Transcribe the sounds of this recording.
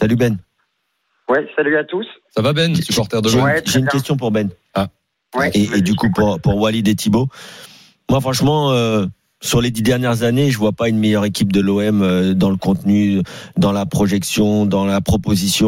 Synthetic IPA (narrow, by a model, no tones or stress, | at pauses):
salybɛn | wɛsalyat̪ussavabɛnsypɔʁt̪ɛʁd̪əʒeʒeynkʲɛs̬t̪jɔ̃p̬uʁbɛn | a | eːd̪ykupuʁpuʁwalid̪et̪ʰibo | mwafχɑ̃ʃmɑ̃ø | syʁled̪id̪ɛʁnjɛʁzaneʒəvwapaynmɛjœʁekʲip̚d̪əloɛmød̪ɑ̃ləkɔ̃t̪nyd̪ɑ̃lapχɔʒɛksjɔ̃d̪ɑ̃lapχɔpozisjɔ̃